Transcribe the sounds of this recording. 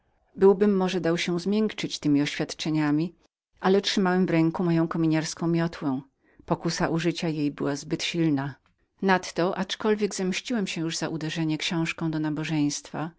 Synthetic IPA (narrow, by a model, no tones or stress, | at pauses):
bɘwbɘmːɔʐɛd̪awɕɛzmʲjɛŋkt͡ʂɘt͡ɕt̪ɘmʲiɔɕfʲjat̪t͡ʂɛɲamʲi | ʔalɛtʂɘmawɛmvɾɛŋkumɔjɔ̃w̃kɔmʲiɲaɾskɔ̃w̃mʲjɔt̪wɛ̃ | pɔkusaʔuʐɘt͡ɕajejbɘwazbɘt̪ɕilna | nat̪ːɔʔat͡ʂkɔlvʲjɛɡzɛmɕt͡ɕiwɛmɕɛjuʐzaʔud̪ɛʐɛɲɛkɕɔ̃w̃ʂkɔ̃w̃d̪ɔnabɔʐɛj̃st̪fa